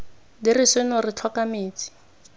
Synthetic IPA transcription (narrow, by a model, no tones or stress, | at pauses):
dirɪsɪnɔrɪt͡ɬʰɔkameːt͡si̥